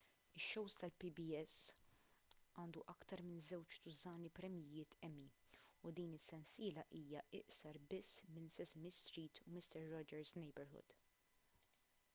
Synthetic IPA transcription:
ɪʃːɔwst̪ɐlpibiɛs | ɐːnd̪uʔɐkt̪ɐɾmɪnzɛwt͡ʃt̪ʊzɐːnipɾɛmjɪjɪːt̪ɛmːiʊd̪iːnɪsːɛnsɪːlɐʔiːjɐʔɪʔsɐɾbɪsːmɪnsɛsmɪst̪ɾiːt̪ʰumɪst̪ɛɾːɔd͡ʒɛɾznɛjbɛɾhʊ̰d̪̥

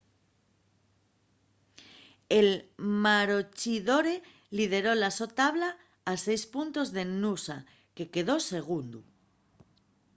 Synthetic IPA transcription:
e̞lmaɾot͡ʃiðo̞ɾe̞ | lið̞e̞ɾo̞laso̞t̪aβlaː | se̞jspunt̪o̞zðe̞nusa | ke̞ke̞ðo̞se̞ɣ̞und̪u

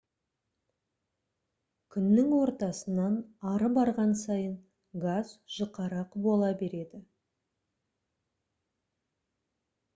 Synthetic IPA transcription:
kʲʰʏnːɪŋwo̞ɾt̪ɑsənɑnɑɾəbɑɾʁɑnsɑjən | ɡazʒ̥əqɑɾɑqbo̞lˠɑbe̞ɾe̞d̪ɪ

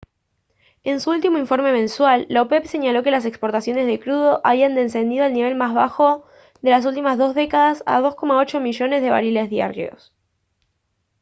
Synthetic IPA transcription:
e̞nsuult̪imo̞iɱfo̞ɾme̞mẽ̞nswalːaopepse̞ɲalo̞ke̞las̬e̞kspo̞ɾt̪asjo̞nezð̞e̞kɾuð̞o̞ʔaβiand̪ense̞nd̪ið̞o̞alniβe̞lmazβ̞axo̞ | ðe̞las̬ult̪imazðo̞zðe̞kaðasa̰ðo̞sko̞mao̞t͡ʃo̞miʒo̞ne̞zð̞e̞βa̰ɾile̞zðja̰ɾjo̞̰s

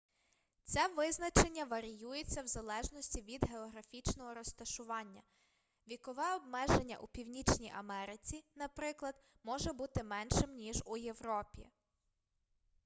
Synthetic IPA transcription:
t͡sʲɛʋɪznɐt͡ʃe̞nʲːɐʋɐɾʲijujet͡sʲːɐwzɐlˠɛʒnɔsʲtʲiʋʲid̪ɦeɔɦɾɐfʲit͡ʃnɔɦɔɾɔst̪ɐʃʊʋɑnʲːɐ | ʋʲikɔʋɛɔbmɛʒenʲːɐ̰ʔupʲiwnʲit͡ʃnʲijʔɐmɛɾɪt͡sʲinɐpɾɪklˠɐd̪̥mɔʒɛbut̪ɪmɛnʃɪmnʲiʒuje̞ʋɾɔpʲḭ

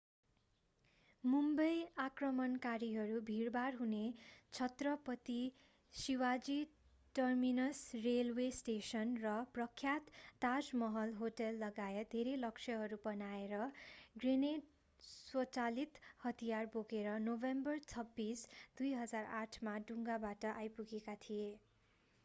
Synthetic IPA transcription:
mumbʌjakrʌmʌnkaɾiɦʌɾubʱirbarɦunet͡sʰʌt̪rʌpʌt̪i | siwad͡zi | ʈʌrminʌsrelwesʈesʌnrʌprʌkʰːjat̪ːad͡zmʌɦʌlɦoʈʌlːʌɡajʌd̪ʱeɾelʌksʰʌɦʌɾubʌnaeɾʌɡrineɖ | swʌt͡salit̪hʌt̪ijarboɡeɾʌnobembʌrt͡sʰʌbːisd̪ujɦʌd͡zaraʈʰmaɖuŋɡabaʈʌʔajpuɡekat̪ʰije

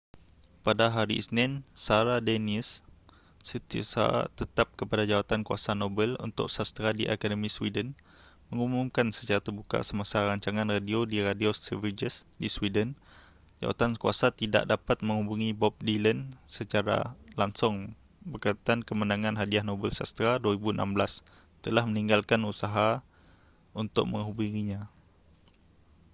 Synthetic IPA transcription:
padaɦaɾḭisnɪnsaɾadenisː | ət̪ia̰sa̰t̪ət̪ap̚kəpadad͡ʒawat̪ankua̰sanobəlṵnt̪ʊ̰ʔsast̪əɾadiʔakadəmĩswidən | məŋumumkansət͡ʃaɾat̪ərbuka̰səmasaɾaɲt͡ʃaŋãnradiodiradiosəvid͡ʒəsdiswidən | d͡ʒa̰wa̰t̪ankua̰sat̪ida̰ʔdapat̪̚mə̃ŋhɦubuŋibɔp̚dilənsət͡ʃaɾa̰laŋsʊŋ | bəkat̪ankəmənaŋãnɦadiahnɔbəlsa̰st̪ɾaduaɾibuənʔa̰mblas | t̪əlahməniŋɡalkanusaɦa | unt̪ʊk̚mə̃ŋɦubuŋiɲã

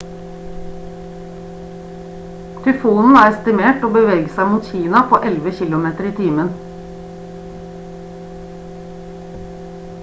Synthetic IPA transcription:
t̪ʰʉfuːnn̩æːɾst̪ɪmeːʈoːbəʋeːɡəsæɪmuːt̪çiːnɑpʰoːʔɛlʋəçɪlʊmeːt̪əɾiːt̪ʰiːmən

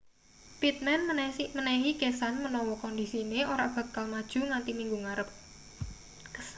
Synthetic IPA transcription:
pit̪̚mɛnmənaɦikesanmənɔwɔkɔnd̪isineoɾab̥ä̤kalmad̥ʒ̥ṳŋant̪imiŋɡuŋaɾəp̚

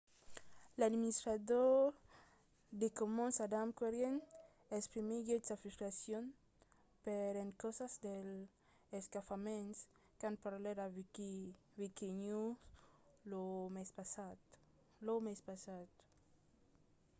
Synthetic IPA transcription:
lad̪minist̪ɾad̪oɾ | d̪ekomonsad̪amkweɾjen | espɾimiɡesafist̪ɾasjon | peɾeŋkɔsazd̪el | eskafamẽns | kanpaɾleɾa | vikiɲu | lomespasa | lomespasat̪

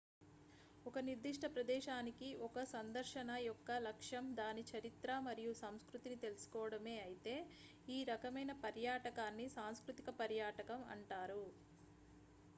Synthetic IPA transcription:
ɔkɐniɾd̪iʂʈʰɐpɾɐd̪ɛːʃaːnikiʔɔkɐsɐnd̪ɐɾʃɐnɐjɔkːɐlɐkʂɐmd̪aːnit͡ʃɐɾit̪ɾamɐɾijusɐmskɾut̪init̪e̞lusu̥kɔːʋɐɽɐme̞ːɐjit̪e̞ː | iːɾɐkɐmɐjnɐpɐɾjaːʈɐkaːnːisaːnskɾut̪ikɐpɐɾjaːʈɐkɐmɐ̰ɳʈaːɾu

